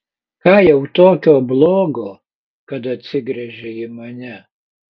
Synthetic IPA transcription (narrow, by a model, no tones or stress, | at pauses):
kɑːjɛʊt̪oːkʲoːblˠoːɡoː | kɐt̪ɐt̪ʲsʲɪɡɾʲɛʒʲeimɐnʲɛ